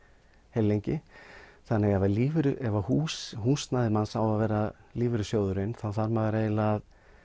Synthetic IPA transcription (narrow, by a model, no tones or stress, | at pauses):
helːejɲcɪθanːɛɣɛvaliːvʏɾʏʔɛvahuːsɦuːsnaðɪmansawaðvɛːɾaliːvʏɾʏsjoːwðʏɾɪnθawθaɾmaðvɛːɾaeːjlað